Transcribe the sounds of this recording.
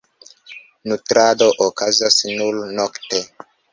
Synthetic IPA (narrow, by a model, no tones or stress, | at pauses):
nutɾadoʔokazasnulnokte